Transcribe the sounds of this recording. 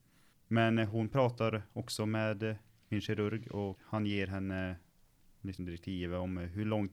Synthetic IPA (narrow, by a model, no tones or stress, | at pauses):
mɛnɦʊnpʰɾɑːt̪aɾɔksɔmeːd̪ | mɪnɕɛɾɵɾɡɔhanjeːɾɦɛnːə | lɪksɔmd̪ɪɾɛk̚t̪ʰiːvəɔmɦɵɭɔŋt̪